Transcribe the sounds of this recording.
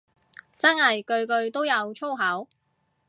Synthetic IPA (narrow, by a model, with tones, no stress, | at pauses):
t͡sɐ˥nhɐ˨jkɵ˧ɥkɵ˧ɥt̪o˥wjɐ˨˧wt͡ʃʰo˥wɦɐ˨˥w